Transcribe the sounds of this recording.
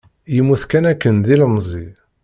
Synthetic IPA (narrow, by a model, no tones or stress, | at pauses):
jimːuθkænækːənðiləmzˤi